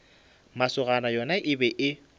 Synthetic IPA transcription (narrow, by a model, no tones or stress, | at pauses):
masʊɣanajɔnaʔɪbɛʔɪ